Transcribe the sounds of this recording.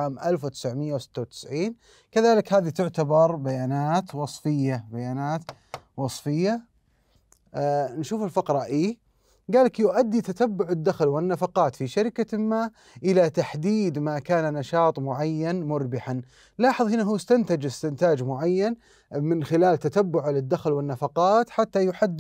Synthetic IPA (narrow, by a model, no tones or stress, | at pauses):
aːmʔalfwt̪ɪ̥sʕmɪjːawsɪ̥t̪ːawt̪ɪ̥sʕiːn | kaðaːlɪkhaːðit̪ʊʕt̪abɑɾˤbajaːnaːt̪wɑsˤfɪjːabajaːnaːt̪ | wɑsˤfɪjːa | nʃuːfɪlfɑqɾˤɑʔiː | ɡaːlakjʊʔad̪ːit̪at̪abːʊʕɪd̪ːaxlwɪnːafɑqɑːt̪fiʃaɾɪkamaː | ʔɪlat̪aħd̪iːd̪makaːnanaʃɑːt̪ˤmʊʕajːanmʊɾbɪħan | lɑːħɨðˤhɪnaɦuːst̪ant̪ad͡ʒɪst̪ɪnt̪aːd͡ʒmʊʕajːan | mɪnxɪlaːlt̪at̪abːʊʕlɪd̪ːaxlwɪnːafɑqɑːt̪ħat̪ːajʊħad̪ː